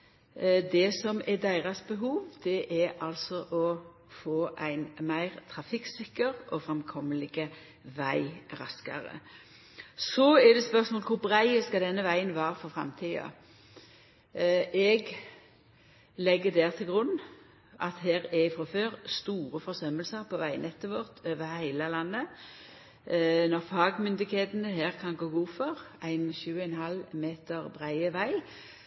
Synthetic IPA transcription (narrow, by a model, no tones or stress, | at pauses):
d̪ɛsɔmɛd̪æɪʁɑsbəɦuːʋd̪ɛʔɛɾɑlsɔʔɔ | foːʔæɪnmæɪʁt̪ʰʁɑfɪksɪkːəʁʔɔfʁɛmkʰɔmːəlɪɡə | ʋæɪʁɑskə̰ʁə̰ | sɔɛd̪ɛspœʁsmoːləkʰʊbɾæɪəskɑd̪ɛnːəʋæɪənʋɑːɾfɔfʁɑ̰mt̪ʰiːɑ̰ | ɛɡ | lɛɡːəd̪æːʁt̪ʰɪlɡʁʉnː | ʔɑt̪heːʁɛɪfʁɑføːʁst̪uːʁəfɔʁsœməlsəʁpʰɔʋæɪnɛt̪ːəʋɔʁt̪ʰøːʋəhæɪləlɑnːə | nɔʁfɑːɡmʏnd̪ɪkheːt̪ənəɦeːʁkʰɑnɡoːɡuːfɔʁæɪnçʉːəɛnhɑlmeːt̪əʁbʁæɪəʋæɪ